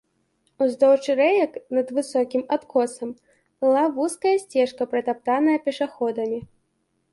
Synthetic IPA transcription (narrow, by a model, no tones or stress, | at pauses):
uzd̪ɔwt͡ʂɨɾɛjɐknɐd̪vɨsɔkʲimat̪kʰɔsɐm | b̥ɨlˠavuskɐjɐsʲt͡sʲɛʂkɐpɾɨt̪ap̚t̪anɐjɐpʲɛʂaxɔd̪ɐmʲi